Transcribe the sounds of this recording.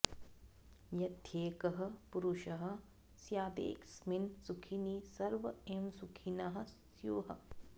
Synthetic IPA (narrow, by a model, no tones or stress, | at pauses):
jɐt̪ʰeːkɐɦɐ̆puɾuʃɐɦɐ̆ | sjaːb̪ḛːksminsukʰinisɐɾʋɐemsukʰinaɦɐ̆ | joːɦɐ